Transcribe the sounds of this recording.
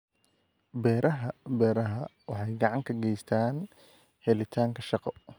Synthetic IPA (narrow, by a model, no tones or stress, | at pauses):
bɛːɾʔɐɦɐbɛːɾɐɦɐwɑħɑjɡɑʕɑŋkʰɐɡɛjst̪ʰaːn | hɛlɪt̪ʰaːŋkʰɐʃɑqɔ